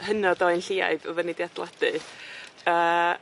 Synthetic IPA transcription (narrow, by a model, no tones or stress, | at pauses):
hənɔdɔɨjnɬiːa̰jvɔvənɪdiadlˠad̥ɨ | əː